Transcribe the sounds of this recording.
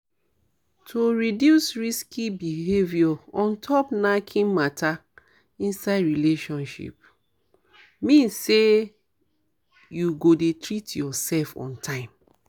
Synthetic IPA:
tʰoɹidjusɹiskʰibiɦevjɔɔ̃ntʰɔpnakʰĩnmatʰa | ĩnsaɪdɹileʃɔ̃nʃḭp̚ | mĩnsse | juɡodetɹitjɔsɛlfɔ̰̃ntʰãɪ̃m

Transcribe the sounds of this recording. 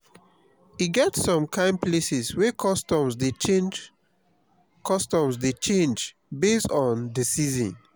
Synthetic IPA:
hiɡɛtsɔ̃mkʰãɪ̃nplesiswɛkʰɔstɔ̃mzdeend͡ʒ | kʰɔstɔ̃msdet͡ʃẽnd͡ʒ | bestɔ̃ndəsizɔ̰̃n

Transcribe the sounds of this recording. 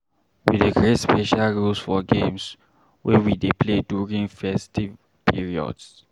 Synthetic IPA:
wḭdeɡɹetspɛʃalɹulsfɔɡẽms | wɛwidepʰledjuɹĩŋfɛstiv | pʰiɹiɔ̰ds

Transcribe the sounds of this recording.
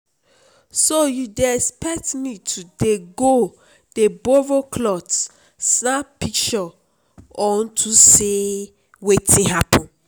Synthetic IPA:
sojudeɛspɛk̚tmitʰudeɡo | d̥ebovokʰlɔt | snapik̚t͡ʃɔ | ɔ̃ntʰuse | wetʰĩɦapʰɔ̃n

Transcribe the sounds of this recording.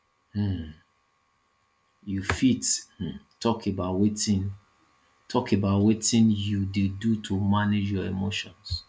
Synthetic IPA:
h̩ | jufit̩tʰɔkebaʊtwetĩn | tʰɔkebaʊtwetĩnjudedutʰomaned͡ʒjɔemoʃɔ̃ns

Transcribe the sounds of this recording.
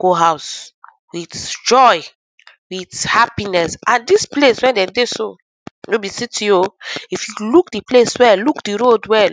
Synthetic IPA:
ɡ̥oɦaʊs | witd͡ʒɔj | withapinɛsãndispleswɛ̃ndɛ̃mdeso | nobisitĩoifjulukdipleswɛlukdiɾodwɛ

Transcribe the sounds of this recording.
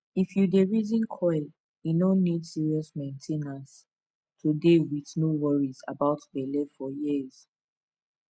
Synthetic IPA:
ifjudeɹizĩnkʰɔɪl | junõnːidsiɹiɔsmẽɪ̃ntʰẽnas | tʰudewiðnowɔɹiza̰baʊtbelɛvfɔjiz̥

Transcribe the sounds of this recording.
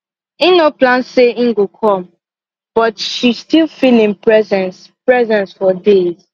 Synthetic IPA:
ĩnoplãnseĩŋ̩ɡokʰɔ̃m | b̥ɔtʃistilˠfilĩnpɹɛzɛ̃ns | pɹɛzɛ̃nsfɔdez̥

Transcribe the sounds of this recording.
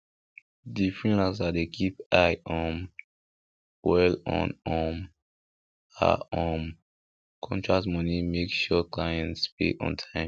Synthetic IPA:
difɹĩlasdatdekʰipaɪʔɔ̃m | wɛlɔ̰̃nɔ̃m | a̰ɔm | kʰɔ̃ntʰɹak̚tmɔnimekʃɔklajɛ̃nspḛɔ̰̃ntʰãɪ̃m

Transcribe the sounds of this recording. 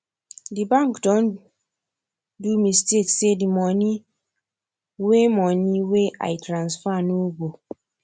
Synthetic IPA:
dibãŋkdɔ̃n | dumistetsedimɔni | wemɔniweʔa̰ɪtɾãnsfanoɡo

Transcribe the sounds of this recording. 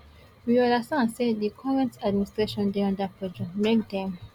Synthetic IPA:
wiɔlasãnsedikʰɔɹɛ̃ntad̚ministɹeʃɔ̃ndeɔ̃ndapɔd͡ʒɔ̃mek̚d̪ɛ̃m

